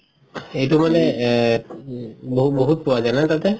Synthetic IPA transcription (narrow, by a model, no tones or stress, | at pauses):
ejtumanɛ | boɦuboɦut̪̚kɔwazajnat̪at̪ɛ